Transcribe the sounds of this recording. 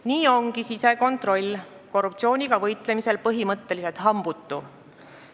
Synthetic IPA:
niːo̞ŋɡ̥isise̞ko̞nt̪ˑro̞lʲː | ko̞rːup̚t̪sio̞ːnʲiɡ̥ɑvɤjt̪ˑle̞mise̞lpɤɦimɤt̪ːe̞lise̞lt̪ɦɑmb̥ut̪ːˑu

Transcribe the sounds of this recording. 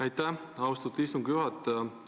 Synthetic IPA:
æjt̪ːæ | ɑwst̪ut̪ːist̪uŋɡ̥juɦɑt̪ːˑ

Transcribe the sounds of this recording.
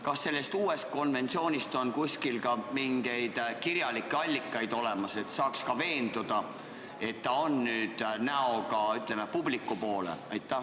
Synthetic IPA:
kɑsːe̞lːe̞st̪uːe̞st̪̚ko̞nve̞nt̪sio̞ːnʲist̪o̞nkusʲkilkɑmiŋɡ̥e̞jd̪̥kiɾjɑlikːˑeɑlʲːikˑːɑjd̪̥o̞le̞mɑse̞t̪sɑːkskɑve̞ːnd̪̥ud̪̥ɑ | e̞t̪ːɑonːyːd̪̥næo̞ɡɑyt̪ːˑlemepublikːˑupo̞ːlḛɑjt̪ːˑæh

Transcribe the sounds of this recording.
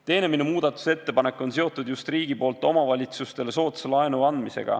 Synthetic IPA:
t̪e̞ːne̞minemuːd̪̥ɑt̪ːˑu̥se̞t̪ːe̞pɑne̞kːˑo̞nse̞o̞t̪ːˑud̪̥just̪riːɡ̥ipo̞ːlt̪ːˑo̞mɑvɑlʲit̪sust̪e̞le̞so̞ːt̪selɑenuɑnd̪̥mise̞̰ɡ̥ɑ̰

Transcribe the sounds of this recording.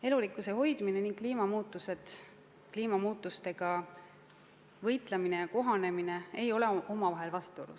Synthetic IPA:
e̞lulikːˑuse̞ho̞jd̪̥mine̞niŋɡ̥kliːmɑmuːt̪ːˑuse̞d̪̥ | kliːmɑmuːt̪ːˑust̪e̞ɡ̥ɑ | vɤjt̪ˑlemine̞jɑko̞ɦɑne̞mine̞e̞jo̞leo̞mɑvɑɦe̞lvɑst̪olṵs

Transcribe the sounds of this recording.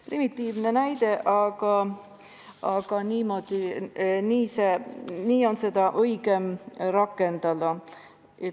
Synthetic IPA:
primit̪ˑːiːvne̞næjd̪̥e̞ʔɑɡ̥ɑ | ɑɡ̥ɑniːmo̞d̪̥iniːseniːo̞nse̞d̪̥ɑʔɤjɡ̥e̞mɾɑkːˑe̞nd̪̥ɑd̪ɑ | e

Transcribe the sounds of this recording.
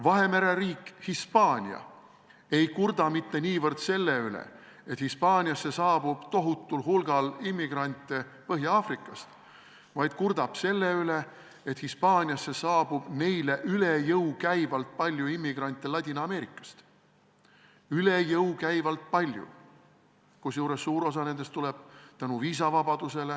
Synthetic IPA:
vɑɦe̞me̞ɾeɾiːkːˑhispɑːnʲiɑ̰ | e̞jkurd̪̥ɑmit̪ːe̞niːvɤrd̪̥se̞lːeylḛ | et̪hispɑːnʲijɑsːe̞sɑːb̥ub̥t̪o̞ɦut̪ːˑulɦulɡ̥ɑlimːiɡ̥rɑnʲt̪ˑːepɤɦjɑɑːfrikːˑɑst̪ | vɑjd̪̥̚kurd̪̥ɑb̥se̞lːeyle | et̪hispɑːnʲiɑsːe̞sɑːb̥ub̥ne̞jle̞ʔylejɤwkæjvɑlt̪̚pɑlʲjuimːiɡ̥rɑnʲt̪ːˑelɑt̪ʲinɑme̞ːɾikːˑɑ̥st̪ | ylejɤwkæjvɑlt̪̚pɑlʲjṵ | kusjuːɾesːuːɾo̞s̬ɑne̞nd̪̥est̪uleb̥̚t̪ænuviːs̬ɑvɑbɑd̪̥use̞le

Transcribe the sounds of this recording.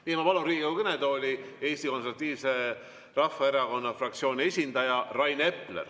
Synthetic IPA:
niːemɑpɑlunriːɡiewkened̪o̞ːlʲie̞ːsʲt̪iko̞nseɾvɑt̪ːˑiːvse̞ | rɑfːɑeɾɑko̞nːɑfrɑk̚t̪sio̞ːnʲie̞sʲind̪̥ɑjɑrɑjne̞pːlḛr

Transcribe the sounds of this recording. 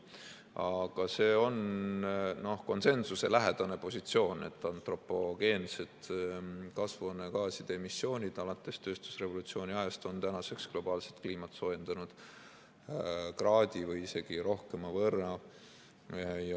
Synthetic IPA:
ɑɡ̥ɑse̞ːo̞n | no̞hko̞nse̞nsuse̞læɦe̞d̪̥ɑne̞po̞sʲit̪sio̞ːne̞̰t̪ːˑɑnt̪ro̞pːo̞ɡe̞ːnse̞t̪ | kɑsvuneɡɑːsid̪̥eemisːo̞ːnʲid̪̥ɑlɑt̪ːˑe̞st̪ø̞ːst̪u̥sre̞vo̞lut̪sio̞ːnʲiɑest̪o̞nt̪ænɑse̞ksɡ̥lo̞b̥ɑːlse̞t̪kliːmɑt̪so̞ːjend̪̥ɑnud̪̥ | krɑːd̪̥ʲivɤjise̞ɡ̥iɾo̞hke̞mɑvɤrɑ | j

